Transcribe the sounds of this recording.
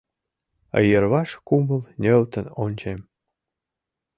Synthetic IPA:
ə̰jə̆rβɑʃkumə̆lnʲøwt̪ə̆nonʲt͡ɕem

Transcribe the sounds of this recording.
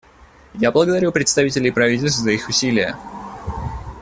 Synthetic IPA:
jablˠəɡəd̪ɐɾʲupɾʲɪt̪st̪ɐvʲitʲɪlʲɪpɾɐvʲitʲɪlʲst̪vzəixʊsʲilʲɪjə̰

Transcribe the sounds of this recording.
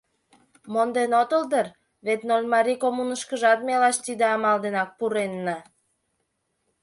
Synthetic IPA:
mond̪enot̪əld̪ər | βet̪nolʲmɑɾikomunəʃkəʒɑt̪melɑʃt̪id̪eɑmɑld̪enɑk̚puɾenːɑ

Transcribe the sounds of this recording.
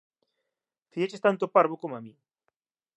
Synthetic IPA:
fiet͡ʃest̪ant̪opaɾβokomami

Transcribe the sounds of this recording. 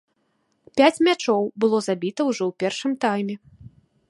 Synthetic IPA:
pʲat͡sʲmʲat͡ʂɔwbɨlˠɔzabʲit̪ɐwʐɔwpʲɛrʂɨmt̪ajmʲɛ

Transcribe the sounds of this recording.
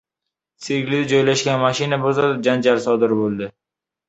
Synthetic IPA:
siɡʲlɪd̪ɪd͡ʒɒjlaʃɡʲanmaʃɪnabʊzɒt̪̚d͡ʒand͡ʒalsɒd̪ɪɾbolˠd̪ɪ

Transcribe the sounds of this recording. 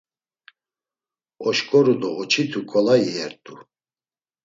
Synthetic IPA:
ɔʃkʼɔɾud̪ɔːt͡ʃʰit̪ʰukʼɔlaiɛɾt̪ʼu

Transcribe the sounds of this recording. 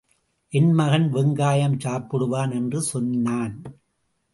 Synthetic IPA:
ʔɪnmɐɣɐnʋɪŋɡaːjɐmt͡ʃaːpːɯɽɯʋaːnɛndrɯsɔnːaːn

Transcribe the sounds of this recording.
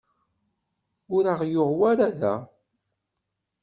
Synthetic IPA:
ʊɾəʁjʊʁwaɾaðæ̰

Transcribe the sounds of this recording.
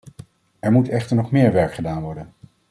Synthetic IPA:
ɛɹmutɛχtəɹnɔχmɪːɹʋɛɹkχədaːnʋɔɹdən

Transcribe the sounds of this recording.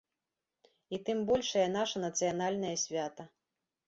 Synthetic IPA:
it̪ɨmbɔlʲʂɐjɐnaʂɐnɐt̪sɨjanalʲnɐjɐsʲvʲat̪ɐ

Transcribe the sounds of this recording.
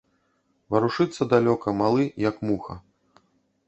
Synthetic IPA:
vɐɾuʂɨt̪sːɐd̪alʲɔkɐmalˠɨjɐkmuxɐ̰

